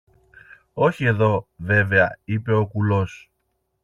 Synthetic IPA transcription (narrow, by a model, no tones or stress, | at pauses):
o̞çie̞ðo̞ve̞ve̞ɐipe̞o̞kulo̞s